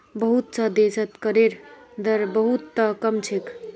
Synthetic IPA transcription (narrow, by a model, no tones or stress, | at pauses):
bəɦut̪̚səd̪esət̪kəɾeɾd̪əɾbəɦut̪ːəkəmt͡ʃʰek